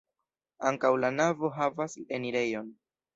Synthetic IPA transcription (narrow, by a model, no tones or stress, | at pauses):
aŋkawlanavo̞ɦavaseniɾe̞jo̞n